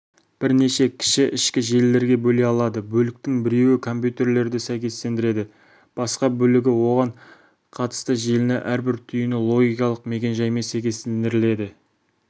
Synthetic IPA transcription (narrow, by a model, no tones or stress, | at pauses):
b̥ɪɾne̞ʃe̞kʲʰɪ̥ʃɪʔɪʃkʲɪʒe̞lːe̞ɾɡʲe̞bɵle̞jɑlˠɑd̪əbɵlɪk̚t̪ɪŋbɪɾe̞wɪkʰo̞mpjut̪e̞ɾle̞ɾd̪ɪsæjkʲe̞st̪e̞nd̪ɪɾe̞d̪ɪ | b̥ɑsqɑbɵlɪɡʲɪwo̞ʁɑɴ | qʰɑt̪ə̥st̪əʒe̞lɪneʔæɾbɪɾt̪ʰʏjɪnɪlˠo̞ɡʲijkɑlˠəqme̞kʲe̞nʒɑjmesæjkʲe̞st̪end̪ɪɾɪle̞d̪ɪ